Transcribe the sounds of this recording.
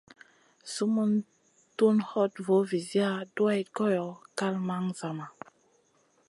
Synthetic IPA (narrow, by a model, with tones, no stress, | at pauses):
su˦mu˦n | tu˦nhɔ˦tvo˨˦vi˨zi˦a˦du˦a˦jko˦jɔ˨ka˦lma˦ŋza˨ma˨